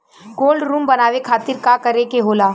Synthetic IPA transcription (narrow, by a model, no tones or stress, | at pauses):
ɡoːlɖɾuːmbɐnaːʋekʰaːt̪ɪɾkakɐɾekeɦoːlaː